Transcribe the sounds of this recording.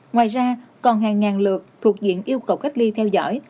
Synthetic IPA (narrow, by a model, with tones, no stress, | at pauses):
ŋwaː˨˩jzaː˧kɔ˨˩nɦaː˨˩ŋːaː˨˩nlɨ˨˩ək̚t̪ʰu˨˩ək̚zḭ˧˨ənʔi˧əwkə˨˩wka˦˥jk̟̚li˧t̪ʰɛ˧wzɔ̰˧˥j